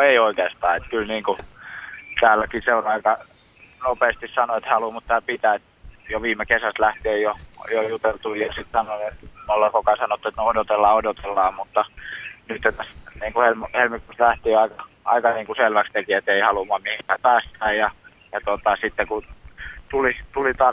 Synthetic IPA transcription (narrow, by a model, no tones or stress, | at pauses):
noeioikeːst̪ɑːet̪kylniːŋku | t̪æːlːækiseonɑikɑ | nopeːst̪issɑnoet̪hɑlumut̪t̪ːæːpit̪æt̪ | joʋiːmekesæst̪læht̪eːjjojojut̪elt̪uijɑsit̪sɑnonenolːɑkokɑsɑnot̪ːuet̪noodot̪elːɑːodot̪elːɑːmmut̪ːɑnyt̪ːet̪æsniːŋkuhelmhelmikust̪læht̪iːɑikɑ | ʔɑ̰ikɑniːŋkuselʋækst̪ekiet̪eihɑlumɑmihipæːpæːst̪æːjjɑ | jɑt̪ot̪ɑsit̪ːekut̪ulit̪ulit̪ɑː